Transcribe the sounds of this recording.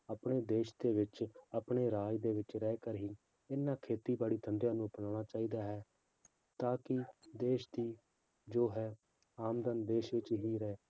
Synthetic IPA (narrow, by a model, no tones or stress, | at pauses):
aːpɳeːd̪eːʃd̪eːʋɪt͡ʃaːpɳeːɾaːjd̪eːʋɪt͡ʃɾɛːkəɾɦiː | ɪnãːkʰeːt̪iːbaːɽiːt̪ʰənd̪jãːnũːpnaːɽ̃aːt͡ʃaːiːd̪aːɦɛː | t̪aːkɪd̪eːʃd̪iː | d͡ʒoːɦɛː | aːmd̪ənd̪eːʃʋɪt͡ʃɦiːɾɛː